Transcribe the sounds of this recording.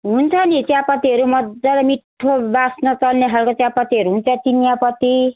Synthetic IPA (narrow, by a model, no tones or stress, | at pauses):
ɦunt͡sʰʌnit͡sjapʌt̪iɦʌɾumʌd̪ːʌlamiʈʰːobasnʌt͡sʌlneɦalkot͡sjapʌt̪iɦʌɾuɦunt͡sʰʌt͡sinjapʌt̪i